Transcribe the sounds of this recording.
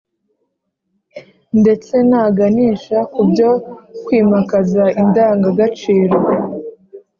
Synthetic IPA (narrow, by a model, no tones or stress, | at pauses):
nde̞t͡se̞naːɡaniːʃakubjo̞kwiːmakazaindaːŋɡaɡat͡ʃiːɾo̞